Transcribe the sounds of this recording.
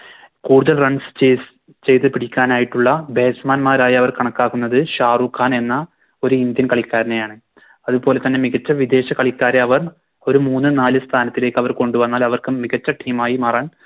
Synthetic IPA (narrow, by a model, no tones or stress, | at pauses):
kuːɽuðɐlrɐɳst͡ɕe | t͡ɕe̞jt̪ːɨpiɽikʲːaːnaːjiʈːuɭːɐbe̞ːsmaːnmaːɾaːjɐɐʋɐrkɐɳɐkːaːɣunːɐðɨɕaːrukʰːaːne̞nːɐ | o̞ɾuind̪jɐnkɐɭikʲːaːɾɐnejaːɳɨ | ɐðupo̞ːle̞t̪ɐnːe̞miɣɐt͡ɕːɐʋid̪e̞ːɕɐkɐɭikːaːɾeɐʋɐr | o̞ɾumuːnːɨnaːlɨst̪ʰaːnɐt̪ːile̞ːkːɨɐʋɐrko̞ɳɖuʋɐnːaːlɐʋɐrkɨmiɣɐt͡ɕːɐʈʰiːmaːjimɐraːn